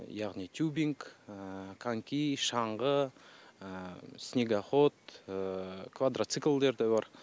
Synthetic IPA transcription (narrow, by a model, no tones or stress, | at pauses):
jɑʁnit̪ʰʲjubiŋk | kʰaŋkʲiʃɑɴʁə | snʲeɡaχot̪ | kvad̪ɾat̪sɨklˠd̪e̞ɾd̪ɑjbɑɾ